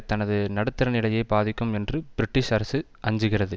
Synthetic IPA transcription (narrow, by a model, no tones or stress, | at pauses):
t̪ɐnɐðɯnɐɽɯt̪ːɐɾɐnɪɭɐjɐɪbaːðɪkːɯmɛndrɯb̥ɪɾɪʈːɪʂɐɾɐsɯ | ʔɐɲd͡ʒɯɣɪrɐðɯ